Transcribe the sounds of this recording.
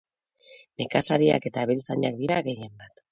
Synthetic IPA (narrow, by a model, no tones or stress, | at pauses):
ne̞kasaɾia̰ke̞t̪aβelt͡saɲak̚d̪iɾaɣe̞je̞mbat̪